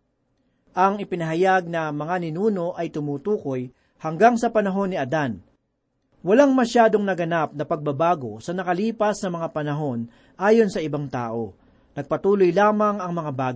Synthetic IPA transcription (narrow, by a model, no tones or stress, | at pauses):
ʔɐŋɪpɪnɐɦɐjaɡ̚nɐmɐŋanɪnuːno̞ʔɐjt̪ʊmuːt̪uːko̞j | hɐŋɡaŋsɐpɐnɐɦo̞nːɪʔɐd̪an | wɐlaŋmɐʃaːd̪o̞ŋnɐɡɐnap̚nɐpɐɡ̚bɐbaːɡo̞sɐnɐkɐliːpɐsnɐmɐŋapɐnɐɦo̞n | ʔaːjo̞nsɐɪbaŋt̪a̰ːʔo̞ | nɐɡ̚pɐt̪uːlo̞jlaːmɐŋɐŋmɐŋabaːɡ